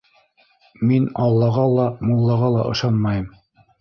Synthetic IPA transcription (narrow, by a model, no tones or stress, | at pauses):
minɑlˠːɑʁɑlˠɑmulˠːɑʁɑlˠɑʔɤ̰̆ʃɑnmɑjɤm